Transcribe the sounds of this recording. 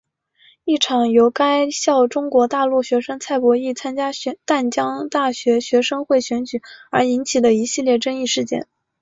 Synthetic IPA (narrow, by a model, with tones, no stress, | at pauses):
i˥˩ʈ͡ʂʰɑ˨˩ŋjo˧˥ʊka˥ɪɕjɑ˥˩ʊʈ͡ʂʊ˥ŋkwɔ˧˥t̪a˥˧lu˥˩ɕɥɛ˧˥ʂə˥ŋt͡sʰa˥˩ɪpwɔ˧˥i˥˩t͡sʰa˥nt͡ɕja˥ɕt̪a˥˩nt͡ɕjɑ˥ŋt̪a˥˩ɕɥɛ˧˥ɕɥɛ˧˥ʂɤ˥ŋxwe˥˩ɪɕɥɛ˧˥nt͡ɕy˨˩˦ə˞˧˥i˧˥nt͡ɕʰi˨˩lə˦i˧˥ɕi˥˧ljɛ˥˩ʈ͡ʂɤ˥ŋi˥˧ʂɻ̩˥˧t͡ɕjɛ̰˥˩n